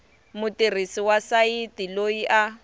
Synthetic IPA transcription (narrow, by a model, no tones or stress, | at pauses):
mʊtir̤isiwasaitiloiʔa